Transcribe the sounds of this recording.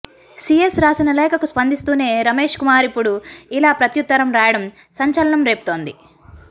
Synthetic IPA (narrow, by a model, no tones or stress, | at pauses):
siesɾaːsinɐlɛːkɐkuspɐnd̪ist̪uːne̞ːɾɐme̞ːʂkumaːɾipːuɽuilaːpɾɐt̪jut̪ːɐɾɐmɾaːjɐɽɐm | sɐɲt͡ʃɐlɐɳɐmɾe̞ːpu̥t̪o̞ːnd̪i